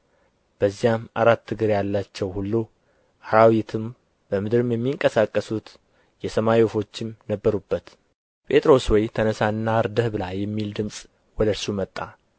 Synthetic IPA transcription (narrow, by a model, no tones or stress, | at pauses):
b̥əzːijama̰ɾat̪ːɨɡɨɾjalːat͡ʃːɛwhulːu | haɾawit̪ʰɨm | b̥əmɨd̪ɨɾɨmjɛmːiŋkʼəsakʼːəsut̪ | jɛsəmajiofo̞t͡ʃːɪmnəbːəɾubːət̪ | pʼʰe̞t̪ʼɾo̞swɔjt̪ʰənəsanːaɾd̪əhbɨlajːɛmːild̪ɨmsʼ | wɔd̪əɾsumət̪ʼːa